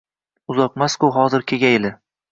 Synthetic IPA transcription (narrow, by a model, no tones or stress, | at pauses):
ʊzɒq̚maskʊɦɒzɪɾkʲʰeɡʲajlɪ